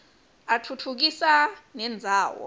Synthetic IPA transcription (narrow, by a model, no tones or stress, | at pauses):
atʰutʰuk̬isanɛnd͡zʱaːwɔ̰